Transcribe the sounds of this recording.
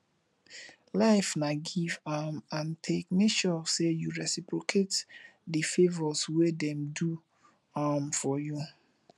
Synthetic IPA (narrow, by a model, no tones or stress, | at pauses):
laɪfnaɡivamãntʰekmeʃɔsejuɹɛsipɹokʰetdifevɔswedɛ̃mdu | amfɔju